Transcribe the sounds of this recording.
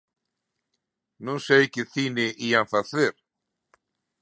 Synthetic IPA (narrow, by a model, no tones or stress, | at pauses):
nunseːjɪcːɪθiːnɪiːanθaðθvʏɾ̥